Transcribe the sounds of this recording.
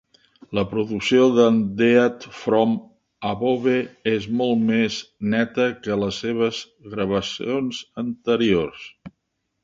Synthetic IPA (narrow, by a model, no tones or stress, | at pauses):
ləpɾuðuksioðənd̪eət̪fɾɔm | əβoβeezmɔlˠmeznɛt̪əkələsːeβ̞əz | ɣɾəβ̞əsionzənt̪əɾiors